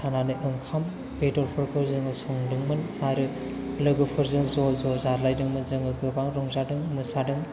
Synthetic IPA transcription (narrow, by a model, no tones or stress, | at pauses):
ananɯʔɯŋkʰam | pedɔɾpʰɯɾkʰɯɾzɯŋɯsɔŋdɯŋmɯn | aɾɯ | lɯɡɯpʰɯɾzɯŋzɔzɔzaɾlajdɯŋmɯzɯŋɯɡɯbaŋɾɔŋzadɯŋmɯsadɯŋ